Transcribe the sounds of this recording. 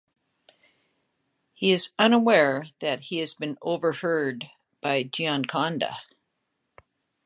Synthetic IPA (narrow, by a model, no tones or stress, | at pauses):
hiɨzʌ̃nəwɛɹðɨt̚hiɨzbɨ̃noʊvə˞hɜ˞d̚ | b̥aɪd͡ʒiɑ̃nkʰɑ̃ndə̰